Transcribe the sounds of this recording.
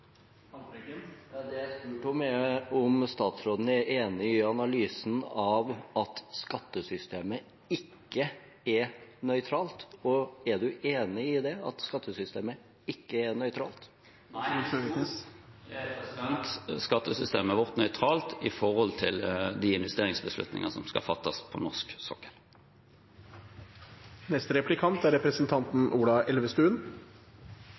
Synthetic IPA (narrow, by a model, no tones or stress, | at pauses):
d̪ɛæspʉːʈɔmɛɔmst̪ɑːt̪sɾoːd̪n̩æɾʔeːnɪɪɑnɑlyːsn̩ɑʋɑt̪skɑt̪ːəsʏst̪eːmə | ɪkːə | ɛɾnœʏt̪ʰɾɑːlt̪ɔɛɖʉʔeːnɪɪd̪ɛɑ̰t̪skɑt̪ːəsʏst̪eːmə | ɪkːəɛɾnœʏt̪ʰɾɑ̰ːlt̪ | æɛsɑnt̪skɑt̪ːəsʏst̪ḛːməæʋɔʁt̪nœʏt̪ʰɾɑːlt̪ɪfɔʁhɔlt̪ʰɪld̪iɪnʋɛst̪eːʁɪŋsbəslʉ̰t̪nɪ̰ŋɑsɔmskɑ̰fɑt̪ːɑspʰɔ̰nɔʂksɔkːəɾ | nɛst̪əɾɛplɪkʰɑnt̪æɾɛpɾəsənt̪ʰɑnt̪n̩ʔuːɖɑʔɛlʋəst̪ʉːən